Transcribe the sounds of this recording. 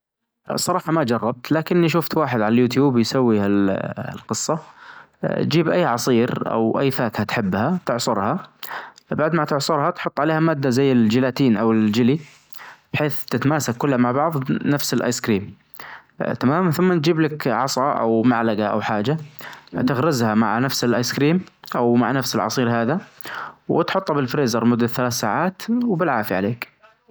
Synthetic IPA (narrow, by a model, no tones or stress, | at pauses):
sˤːɑɾˤɑːħɑmad͡ʒɑrˤːɑb̚t̪laːkɪnːiʃ̬ʊft̪waːħɪd̪ʕalaljuːt̪̬juːbjsawːihal̰lqɨsˤːɑ | d͡ʒiːbʔajːʕɑsˤiːɾʔa̰wʔa̰jːfaːkhat̪ħɪbːhat̪ɪʕsˤʊɾha | baʕd̪maʕt̪ɪʕsˤʊɾhɑt̪ħʊt̪ˤːʕaleːhamaːd̪ːazajːɪld͡ʒɪlaːt̪iːnʔawɪld͡ʒɪli | b̥ħeːθt̪ɪt̪maːsakːʊlːhamaʕbɑʕðˤnafsɪlʔa̰jskɾiːm | t̪amaːmanθʊmːand͡ʒiːblakʕɑsˤɑʔa̰wmaʕlaɡaʔa̰wħaːd͡ʒat̪ɪɣɾɪzhama̰ʕnafsɪlʔajskɾiːmʔawmaʕnafsɪlʕɑ̰sˤiːɾɦaːða | wɪ̰t̪ħʊt̪ˤːɑbɪlfɾeːzɑɾˤmʊd̪ːaθalaːθsaːʕaːt̪wbɪlʕaːfiʕa̰leːk